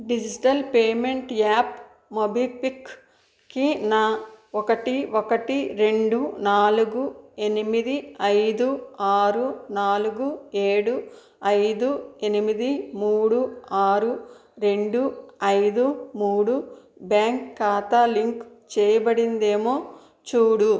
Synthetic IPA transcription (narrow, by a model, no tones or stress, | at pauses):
ɖid͡ʒiiʈɐlpeːme̞ɳʈjaːp | mobipik | kinaːokɐʈiokɐʈiɾe̞ɳɖunaːluɡuenimid̪iɐjd̪uaːɾunaːluɡueːɽu | ɐjd̪ue̞nimid̪imuːɽuaːɾuɾe̞ɳɖuɐjd̪umuːɽu | bjaːŋkːaːt̪aliŋk | t͡ʃɛːjɐbɐɽind̪e̞ːmoː | t͡ʃuːɽu